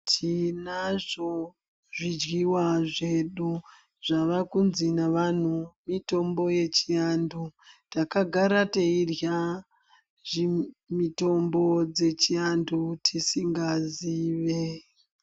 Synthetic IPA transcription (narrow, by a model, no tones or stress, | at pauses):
tʰinaʐo | ʐid͡ʒɡiwaʐeɗu | ʐ̥aʋakunzinaʋan̤umito̞mbo̞je̞t͡ʃiandutakaɡʱaɾateirja | ʐimito̞mbo̞d͡ze̞t͡ʃiandutʰisiŋɡaziːʋe